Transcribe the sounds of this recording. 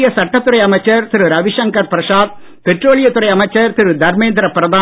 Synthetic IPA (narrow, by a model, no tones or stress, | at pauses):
jɐsɐʈːɐt̪ːɯrɐjɐmɐɪt͡ʃːɐɾt̪ɪɾɯɾɐʋɪʂɐŋkɐɾpɪɾɐsaːd̪̚ | pɛʈroːɭɪjɐt̪ːɯɾɐjɐmɐɪt͡ʃːɐɾt̪ɪɾɯd̪ʱɐɾmeːnd̪ɪɾɐpːɾɐðaː